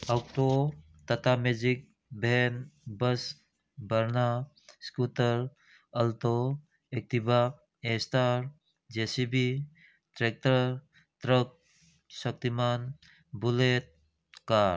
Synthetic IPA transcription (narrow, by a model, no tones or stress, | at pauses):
awk̚to | t̪ɐt̪amed͡ʒik̚ | bʱenbəs | bəɾna | skutəɾ | əlt̪o | ek̚t̪iba | estaɾ | d͡ʒesibi | tɾek̚təɾ | t̪ɾək̚ | sək̚t̪iman | bulet̪̚ | kaɾ